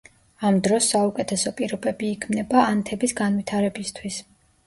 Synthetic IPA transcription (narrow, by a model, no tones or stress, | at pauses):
amd̪ɾɔsːaukʼɛt̪ʰɛsɔpʼiɾɔbɛbiːkʰmnɛbaant̪ʰɛbisɡanwit̪ʰaɾɛbist̪ʰwis